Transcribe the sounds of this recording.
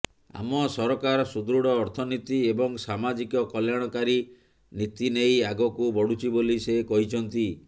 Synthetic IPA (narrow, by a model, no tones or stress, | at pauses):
a̰mɔsɔɾɔkaɾɔsud̪ɾuɽɔːɾt̪ʰɔnit̪iebɔŋsamad͡ʒikɔkɔljaɽ̃ɔkaɾi | nit̪inejaɡɔkubɔɽut͡ʃʰibolisekɔɦit͡ʃʰɔnt̪i